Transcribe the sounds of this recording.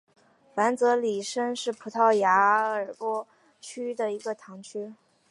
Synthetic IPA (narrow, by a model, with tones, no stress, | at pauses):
fa˧˥nt͡sɤ˧˥li˨˩ʂə˥ŋʂɻ̩˥˩pʰu˧˥t̪ʰɑ˥˩ʊja˧˥ə˞˨˩pwɔ˥ | t͡ɕʰy˥d̪ə˨i˧˥ɡə˧t̪ʰɑ˧˥ŋt͡ɕʰy˥